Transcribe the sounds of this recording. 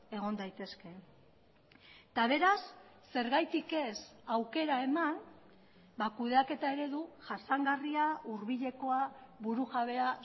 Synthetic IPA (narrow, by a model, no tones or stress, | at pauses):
e̞ɣ̞o̞nd̪ajt̪e̞ske̞ | t̪aβ̞e̞ɾasː | e̞ɾɣajt̪ike̞sawke̞ɾae̞man | bakuðe̞ake̞t̪ae̞ɾe̞ðuʝasaŋɡariaʔuɾβiʎe̞ko̞aβuɾuɣaβe̞a